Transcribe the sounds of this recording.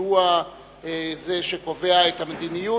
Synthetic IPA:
ua | zeʃeko̞ve̞aethamed̪iniju

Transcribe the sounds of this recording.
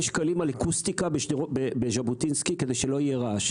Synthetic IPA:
ʃkalimalakust̪ikabeʃobebeʒabut̪inskiked̪ejʃe̞lo̞jeʁaʃ

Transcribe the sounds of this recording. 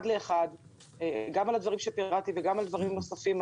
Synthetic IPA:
d̪le̞ːχad̪ | eɡamalad̪vaʁimʃepiʁat̪iveɡamald̪vaʁimnosafim

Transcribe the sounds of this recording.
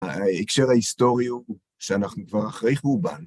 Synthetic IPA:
aekʃe̞ʁaist̪o̞ʁiu | ʃeanaχnukvaʁaχʁejχmuba̰n

